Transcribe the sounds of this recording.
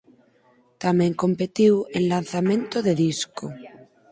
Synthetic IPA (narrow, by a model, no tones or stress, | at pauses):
t̪amẽŋko̞mpet̪iwenlan̟θamẽnt̪oðeðisko